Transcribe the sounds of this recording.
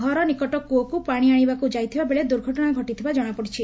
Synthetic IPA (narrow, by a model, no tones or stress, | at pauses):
ɔɾɔnikɔʈɔkuɔkupaɽ̃iaɽ̃ibakud͡ʒajt̪ʰibabeɭed̪uɾɡʱɔʈɔɽ̃aɡʱɔʈit̪ʰibad͡ʒɔɽ̃apɔɽit͡ʃʰi